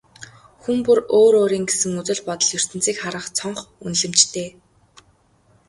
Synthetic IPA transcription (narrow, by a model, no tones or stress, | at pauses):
xumpuroːɾoːɾiːŋɡesɘ̆ŋut͡sɵ̆ɮpɔt̪ɞ̆ɮjɵr̥t̪ɘ̆nt͡siːkχaɾə̆χt͡sʰɔɴχunɮɘ̆mt͡ɕt̪ʰeː